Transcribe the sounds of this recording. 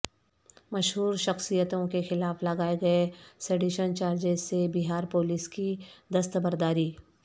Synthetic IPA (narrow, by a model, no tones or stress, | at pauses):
mɐʃɦuːɾʃɐxsijət̪õkexɪlaːflɐɡaːeɡɐeseɖiːʃənt͡ʃaːɾd͡ʒesebiɦaːɾpoːlɪskid̪ɐst̪əbəɾd̪aːɾiː